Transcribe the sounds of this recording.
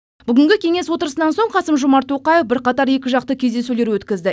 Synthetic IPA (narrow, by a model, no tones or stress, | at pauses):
b̥ʏɡʲɪŋɡʲɪkʲʰe̞ŋe̞swo̞t̪əɾəsənɑnso̞ɴqʰɑsəmʒʊmɑɾt̪ʰːo̞qɑje̞fbɪɾqɑt̪ɑɾje̞kʲɪʒɑq̚t̪əkʲʰe̞zd̪e̞sule̞ɾwɵt̪kʲɪzd̪ɪ